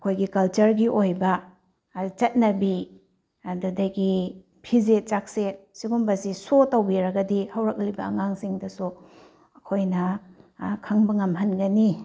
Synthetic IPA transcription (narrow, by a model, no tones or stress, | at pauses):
ɐkʰojɡikɐlt͡ʃɐɾɡiʔojbɐ | t͡ʃɐt̚nɐbi | ɐdudɐɡi | pʰizet͡ʃak̚sesiɡumbɐsisotɐwbiɾɐɡɐdihɐwɾɐk̚libɐɐ̰ŋaŋsiŋdɐsu | ɐkʰojnɐ | kʰɐŋbɐŋɐmɦɐnɡɐni